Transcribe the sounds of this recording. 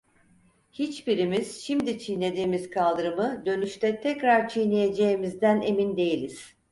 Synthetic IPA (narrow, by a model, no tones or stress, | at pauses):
hit͡ʃbiɾimiz̥ʃimd̪it͡ʃʰijne̞d̪iːmiz̥kʰalˠd̪ɯɾɯmɯd̪ø̞nyʃt̪ʰɛt̪ʰɛkɾaɾt͡ʃʰijnejed͡ʒe̞jimizd̪æne̞mind̪e̞jilʲiz̥